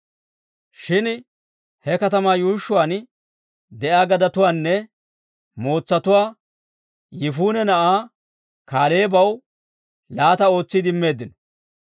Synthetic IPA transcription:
ʃɪn | hɛkɐt̪ɐmaːjuːʃːʊwaːn | d̪ɛʔaːɡɐd̪ɐt̪ʊwaːnːɛ | mo̞ːt͡sːɐt̪ʊwaː | jɪfuːnɛnɐʔaː | kaːle̞ːbɐw | laːt̪ɐo̞ːt͡sːɪd̪ɪmːe̞ːd̪ːɪnɔ

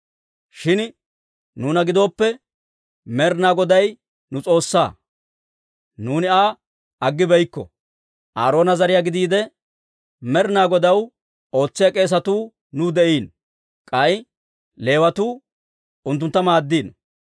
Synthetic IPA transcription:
ʃɪn | nuːnɐɡɪd̪o̞ːpːɛ | mɛɾnaːɡɔd̪ɐj | nʊt͡sʼo̞ːsːa̰ː | nuːnɪaː | ɐɡːɪbɛjkːɔ̰ | ʔa̰ːɾo̞ːnɐzɐɾɪjaːɡɪd̪iːd̪ɛ | mɛɾnaːɡɔd̪ɐw | o̞ːt͡sːɪjakʼe̞ːs̬ɐt̪uː | nʊd̪ɛʔiːn | kʼɐj | le̞ːwɐt̪uː | ʊnt̪ːʊnt̪ːɐmaːd̪ːiːn

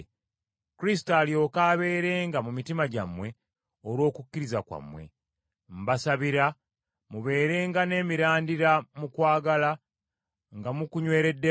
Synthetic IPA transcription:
kuɾis̬i̥taːljo̞ːkaːβe̞ːɾe̞ːŋɡamumitimaɟa̰mwe̞ | olwo̞ːkucːiɾizakwa̰mwe̞̰ | m̩basaβiɾa | muβe̞ːɾe̞ːŋɡane̞ːmiɾaːndiɾamukwaːɡala | ŋɡamukuɲwe̞ːɾe̞dːe

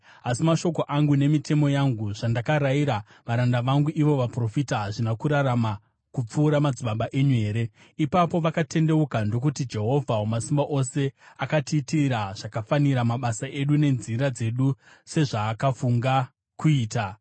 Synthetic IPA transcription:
asimaʃo̞ko̞ʔaŋɡune̞mitʰe̞mo̞jaŋɡuʐ̥andakaɾaiɾa | ʋaɾandaʋaŋɡuʔiʋo̞ʋapro̞fitaɦaʐinakuɾaɾama | kup͡fuːɾamad͡ziɓaɓaʔe̞ɲue̞ːɾe̞ | ipapo̞ʋakate̞nde̞ukando̞k̬utid͡ʒe̞ɦo̞vʱaomasimbaʔo̞se̞akatitiɾaʐ̥akafaniɾamaɓasaʔe̞ɗune̞nziɾad͡ze̞ɗu | se̞ʐaːkafuŋɡa | kuiːta

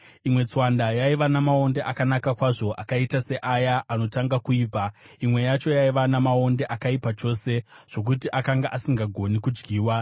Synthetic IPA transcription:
imwe̞t͡swandajaiʋanamao̞nde̞ʔakanakakwaʐo̞ʔakaitase̞ʔajaʔano̞taŋɡakuiːpa | imwe̞jat͡ʃo̞jaiʋanamao̞nde̞ʔakaipat͡ʃo̞se̞ʐ̥o̞k̬utiʔakaŋɡaʔasiŋɡaɡʱo̞nikud͡ʒɡiːwa

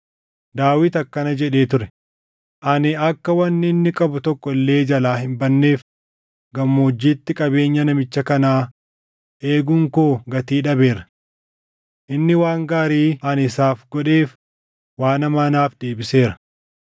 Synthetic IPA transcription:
d̪aːwɪt̪ɐkːɐnɐd͡ʒɛᶑe̞ːt̪ʊɾɛ | ʔɐnɪɐkːɐwɐnːɪɪnːɪkʼɐbʊt̪ɔkːɔɪlːe̞ːd͡ʒɐlaːhɪmbɐnːe̞ːf | ɡɐmːoːd͡ʒːiːt̪ːɪkʼɐbe̞ːɲːɐnɐmɪt͡ʃːɐkɐnaː | ʔe̞ːɡʊŋkoːɡɐt̪iːᶑɐbe̞ːɾɐ | ʔɪnːɪwaːŋɡaːɾiːɐnɪsaːfɡɔᶑe̞ːf | waːnɐmaːnaːfd̪e̞ːbɪse̞ːɾɐ̥

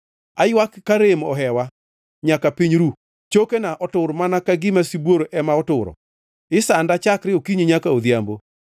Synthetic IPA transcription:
ajwakkːaɾemɔ̰ɦɛwa | ɲakapiɲɾu | t͡ʃokenaʔɔtʊɾmanakaɡɪmasibwoɾoʔɛmaɔtʊɾɔ̰ | ɪsandat͡ʃakɾɪokiɲiɲakaod̪jambo

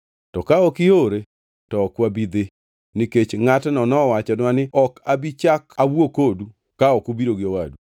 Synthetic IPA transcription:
tɔkaɔkɪoɾe | tɔːkwabid̪e | niket͡ʃŋatnɔnɔwat͡ʃɛnwanɪɔkabit͡ʃakawwokodu | kaɔkubiɾoɡɪɔwadu

